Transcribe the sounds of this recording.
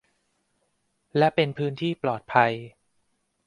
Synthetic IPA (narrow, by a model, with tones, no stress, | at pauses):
lɛ˦˥ʔpe˧npʰɯː˦˥nt̪ʰiː˥˩plɔː˨˩t̪̚pʰa˧j